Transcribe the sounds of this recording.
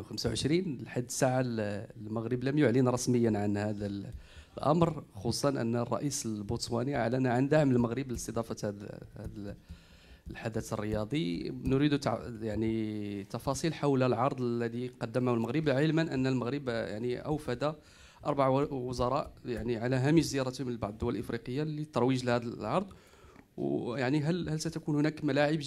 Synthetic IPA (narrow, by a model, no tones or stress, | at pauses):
wxamsawʕəʃɾinlħad̪ːsaʕallməɣɾəbləmjʊʕlənɾˤɑsməjːənʕanhæd̪æ | lʔɑ̰mɾxusˤːɑnʔə̰nːrˤːɑ̰ʔisəlbut̪smæniaʕlænæʕand̪aʕməlməɣɾəbləəst̪əd̪ˤɑfɑt̪h̪hd̪ | lħad̪æt̪ərːəjɑd̪ˤinʊɾid̪ut̪ʕjaʕnit̪ːɑfɑsˤilħawlælʕɑɾˤd̪ˤlːæd̪iqɑd̪ːæmæhʊlməɣɾəbʕəlmənʔə̰nːælməɣɾəbja̰ʕniʔə̰wfæd̪a | ʔɑ̰ɾˤbaʕwʊzɑɾˤɑʔjaʕniʕalæɦæməʃzəjɑɾˤɑt̪mnlbɑʕd̪ˤd̪ːʊwːælʔəfɾiqəjːalit̪ːɑɾˤwiʒlhæd̪əlʕɑɾˤd̪ˤ | wjaʕniɦælhælsæt̪ækunhʊnækmælaʕəb